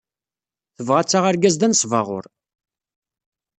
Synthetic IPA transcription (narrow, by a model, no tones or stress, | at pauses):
θəvʁat͡sːaʁaɾɡæzd̪ænsˤvɑ̰ʁʊ̰ɾ